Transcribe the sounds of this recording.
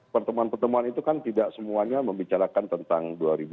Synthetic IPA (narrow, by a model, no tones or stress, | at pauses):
pərt̪əmuanpərt̪əmuanit̪ukant̪idaʔsəmuaɲaməmbit͡ʃaɾakant̪ənt̪aŋduaɾibu